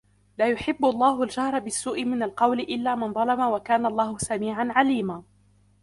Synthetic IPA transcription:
laːjʊħɪbːʊɑlˤːɑːɦʊld͡ʒahɾˤbɪsːuːʔɪmɪnalqɑwlɪʔɪlːaːmɪnd̪ˤɑlɑmawakaːnalˤːɑːhʊsamiːʕanʕaliːmaː

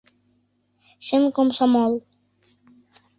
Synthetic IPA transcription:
ʃɘmkomsɔmolˠ

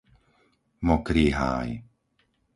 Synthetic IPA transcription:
mɔkɾiɦa̰j

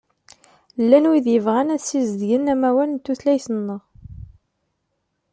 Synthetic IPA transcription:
lːænwiðjəvʁænæsizd̪ʝənæmæwælənt̪ːuθlæjθənːəʁ

